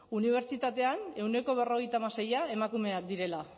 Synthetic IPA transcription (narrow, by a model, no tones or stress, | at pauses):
uniβ̞e̞ɾt͡ʃit̪at̪e̞ane̞wne̞ko̞β̞e̞ro̞ɣ̞e̞jt̪amase̞jae̞makume̞ak̚d̪iɾe̞la